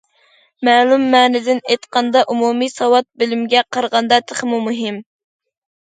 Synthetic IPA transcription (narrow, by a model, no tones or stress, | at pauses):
mæːlˠumːæːnɪd̪ɪnejt̪qʰɑnd̪ɑʔumumijsɑwɑt̪̚bɪlɪmɡʲɛqʰɑɾʁɑnd̪ɑt̪ʰəχmumuɦɪm